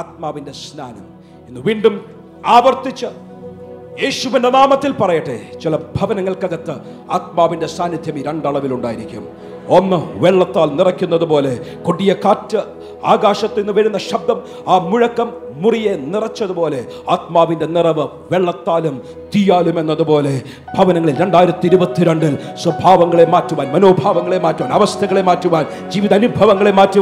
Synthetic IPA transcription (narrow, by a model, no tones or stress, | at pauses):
aːt̪̚maːʋinde̞snaːnɐm | inːɨʋiːɳɖum | aːʋɐrt̪it͡ɕːɨ | jeːɕuʋinde̞naːmɐt̪ːilpɐrɐjɐʈːet͡ɕilɐbʱɐʋɐnɐŋːɐɭkɐɣɐt̪ːɨ | aːt̪̚maːʋinde̞saːnːid̪ʱjɐmiɾeɳɖɐɭɐʋiluɳɖaːjiɾikʲːṵm | onːɨʋeɭːɐt̪ːaːlnirɐkʲːunːɐðupo̞ːle̞koɽijɐkaːtːɨ | aːɡaːɕɐt̪ːinːɨʋɐɻunːɐɕɐb̚d̪ɐm | aːmuɻɐkːɐmːurije̞nirɐt͡ɕːɐðupo̞ːle̞ | aːt̪̚maːʋinde̞nirɐʋɨ | ʋeɭːɐt̪ːaːlum | t̪ijaːlume̞nːɐðupo̞ːle̞ | bʱɐʋɐnɐŋːɐɭilɾe̞ɳɖaːjiɾɐt̪ːiiɾubɐt̪ːiɾe̞ɳɖilswɐbʱaːʋɐŋːɐɭe̞maːtːuʋaːnmɐnoːbʱaːʋɐŋːɐɭe̞maːtːuaːnɐʋɐst̪ʰɐɣɐɭe̞maːtːuʋaːn | d͡ʑiːʋiðɐnubʱɐʋɐŋːɐɭe̞maːtːu